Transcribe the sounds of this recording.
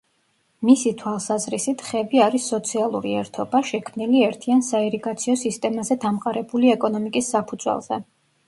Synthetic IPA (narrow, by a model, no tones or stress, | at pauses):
misit̪ʰwalˠsazɾisit̪ʰχɛbiaɾisːɔt̪sʰialˠṵɾiɛɾt̪ʰɔbaʃɛkʰmniliɛɾt̪ʰiansaɛɾiɡat̪sʰiɔsist̪ʼɛmazɛd̪amqʼaɾɛbuliɛkʼɔnɔmikʼisːapʰud̪zwɛ̰lˠz̥ɛ̰